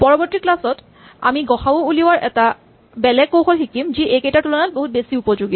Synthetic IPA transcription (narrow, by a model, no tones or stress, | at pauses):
pɔɹɔbɔtɹiklasɔt | a̰miɡɔxawouliwaɹʔɛta | bɛlɛɡ̚kowxɔlxikimziʔejkejtatulɔnat̚boɦut̚besiupɔzuɡit